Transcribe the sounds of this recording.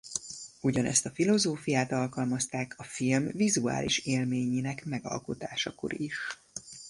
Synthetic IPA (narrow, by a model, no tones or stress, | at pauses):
uɟɒnʔɛ̰st̪ɒfilo̞zoːfijaːt̪ɒlkɒlmɒst̪aːkʰɒfilmvizua̰ːliʃeːlmeːɲiːnɛkmɛɡɒ̰lko̞t̪aːʃɒko̞̰ɾiʃ